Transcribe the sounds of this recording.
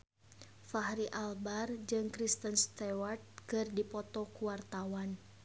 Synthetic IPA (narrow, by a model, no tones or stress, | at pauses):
fahɾiʔalbard͡ʒɨŋkɾist̪ənst̪ɛwart̪̚kɨrdipɔt̪ɔkuwart̪awan